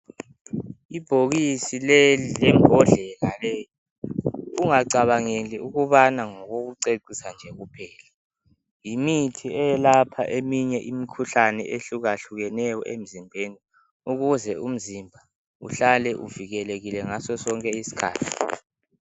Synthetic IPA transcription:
ib̥ʱoɣisilɛlɛŋʱɔɮɛlalɛjɔ | uŋaǀaβaŋeliuɣuβanaŋɔɣoɣuǀeǀisand͡ʒʱɛɣupʰɛːla | jimitʰiɛjɛlapʰa̰ʔemiɲɛʔimikʰuɬanɛ̰ʔeɬuɣaɬuɣɛnɛjɔʔḛm̩zimbʱeːni | uɣuzɛum̩zimbʱa | ṵɬalɛʔuviɣɛleɣilɛŋasɔsɔŋkʼɛisi̥kʰa̰ːtʰi̥

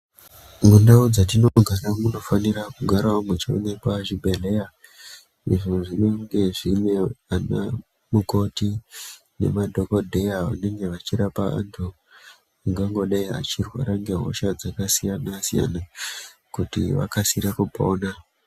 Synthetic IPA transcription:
ŋɡundaud͡zatinoɡʱaɾamuno̞fanirakuɡʱaɾaumwet͡ʃeo̰nekwaʒibʱele̞ja | iʐoʐineŋɡe̞ʐine̞ana̰ | muko̞ti | ne̞̰madʱoko̞dʱe̞jaʋa̰ne̞ŋɡe̞ʋat͡ʃiɾapaa̰ntʰu | ŋɡaŋɡo̞ɗaia̰t͡ʃirwa̰ɾaŋɡe̞ɦo̰ʃad͡zakasijanasija̰nakutiʋa̰kasiɾakupoːna

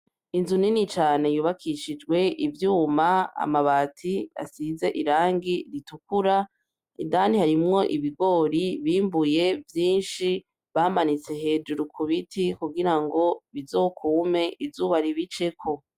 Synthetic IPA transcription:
inzuninit͡ʃaːne̞juːβakʰiʃid͡ʒɡwe̞ivjuːmaa̰maβaːtʰia̰size̞ʔiɾaːŋɡiɾitukuɾa | ḭdanihaɾimŋo̞ʔiβiɡo̞ːɾiβiːmbuje̞vjiːnʃi | βamanit͡se̞ɦe̞ːd͡ʒuɾukʰuβitʰikuɡiɾaŋɡo̞βizo̞ːkʰuːme̞ʔivzuːβaɾiβit͡ʃe̞kʰo̞

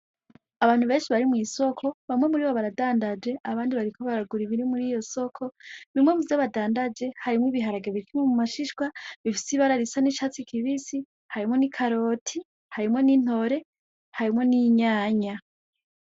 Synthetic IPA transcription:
aβaːn̥uβe̞ːnʃiβaɾimŋiːso̞kʰo̞βamŋe̞muɾiːβoβaɾadaːndad͡ʒe̞ʔaβaːndiβaɾikʰoβaɾaɡuɾiβiɾimuɾiːjo̞so̞kʰo̞βiimŋemuzoβadaːndad͡ʒe̞haɾimwiβiɦaɾaɡeβikimomumaʃiʃɡwaβifi̥siβaɾaɾisaniʃaːt͡sikiβisi | haɾimŋo̞nikʰaɾo̞ːtʰi | haɾimŋo̞niːn̥o̞ɾe̞ | haɾimŋo̞niɲaːɲa

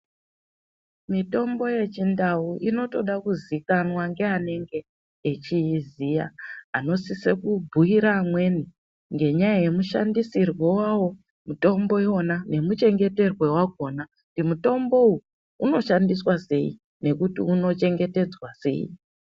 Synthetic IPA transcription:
mito̞mbo̞je̞t͡ʃindauʔino̞to̞ɗakuzikanwaŋɡe̞ane̞ŋɡe̞ː | t͡ʃiːzija̰ano̞sise̞kubʱuiɾamwe̞ni | ŋɡe̞ɲaaje̞muʃa̰ndisirwe̞wawo̞ | muto̞mbo̞jo̞nane̞mut͡ʃe̞ŋɡe̞te̞rwe̞waɡ̚ʱo̞na | dimuto̞mbo̞u | uno̞ʃandiswase̞̰i | ne̞kutiuno̞t͡ʃe̞ŋɡe̞te̞d͡zwase̞̰ːḭ

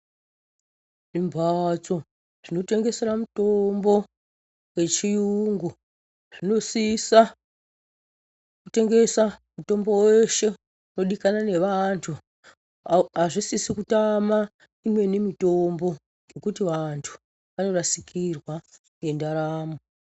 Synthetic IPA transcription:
ʐimbʱat͡so̞ | ʐ̥ino̞te̞ŋɡe̞se̞ɾamuto̞mbo̞ | we̞t͡ʃijuŋɡu | ʐ̥ino̞sisa | kute̞ŋɡe̞samuto̞mbo̞weʃe̞ | uno̞ɗikanane̞ʋantʰu | aʐisisikutama | imwe̞nemito̞mbo̞ | ŋɡe̞kutiʋantʰu̥ | ʋano̞rasikirwa | ŋɡe̞ndaɾaːmo

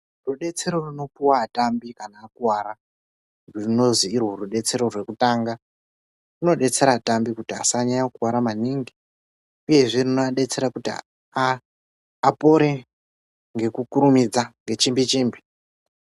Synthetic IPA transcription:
ruɗe̞t͡se̞ɾo̞runo̞puwatambikanaːkuwaɾa | rurino̞ziːrwo̞ruɗe̞t͡se̞ɾo̞rwe̞kutaŋɡa | runo̞ɗe̞t͡se̞ɾatambikutia̰saɲaɲakuwaɾamaniŋɡi | uje̞ʐirinoaɗe̞t͡se̞ɾakuti | po̞ɾe̞ | ŋɡe̞kukuɾumid͡zaŋɡe̞t͡ʃimbit͡ʃiːmbi

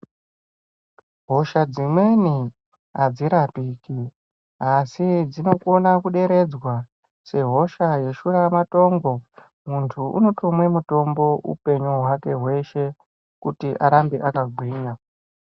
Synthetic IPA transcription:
ɦo̞ʃad͡zimwe̞ni | ɦad͡ziɾapiːki | asid͡zino̞kuonakuɗe̞ɾe̞d͡zwa | se̞ɦo̞ʃaje̞ʃuɾamato̞ŋɡo̞ | muntʰuʔṵno̞tomwe̞muto̞mbo̞ʔṵpe̞ɲuɦwake̞ɦwe̞ʃe̞ | kutiʔaɾambeʔakaɡʱwiːɲa

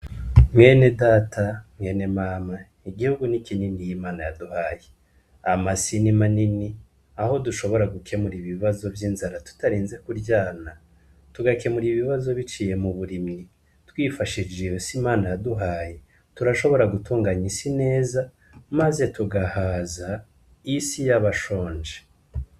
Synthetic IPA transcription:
mŋe̞ːne̞daːtʰame̞ːne̞maːma | iɡihuɡunikininijimaːnajaduhaːje | amasinimanini | aho̞duʃo̞βo̞ɾaɡukʰe̞muɾiβiβazo̞vjiːnzaɾatu̥taɾiːnze̞kuɾɟaːna | tuɡake̞muɾiβiβazo̞βit͡ʃiːje̞muβuɾimi | twiːfaʃid͡ʒejosimaːnajaduɦaːje | tuɾaʃo̞βo̞ɾaɡutuːŋɡaɲisine̞ːza | maze̞tuɡahaza | isijaβaʃo̞ːɲd͡ʒe

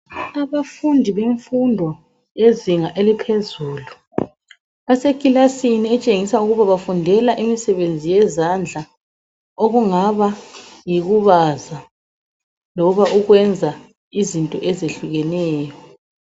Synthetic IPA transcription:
aβafundʱiβeɱfundʱɔ | eziŋaʔelipʰezuːlu | asekʼilasiniɛt͡ʃʼeŋisauɣuβaβafundʱɛlaʔimisɛβend͡zʱijɛzand͡ɮʱa | oɣuŋaβajiɣuβaza | lɔβaʔuɣwɛnd͡zʱa | izintʼɔ̰ʔɛzeɬuɣɛnɛːjɔ

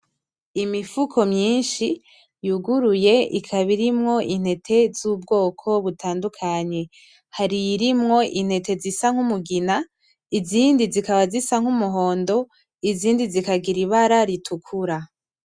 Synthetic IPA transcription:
imifukʰo̞mɲiːnʃi | juɡuɾuje̞ḭkʰaβiɾimŋo̞ʔin̥he̞tʰe̞zuːbɡo̞ːkʰo̞βutʰaːndukʰaɲe̞ | haɾiɾimŋo̞ʔin̥he̞tʰe̞zisaŋ̥humuɡina | iziːndizikaβazisaŋ̥humuɦo̞ːndo̞ | iziːndizikaɡiɾiβaɾaɾitʰukʰuɾa

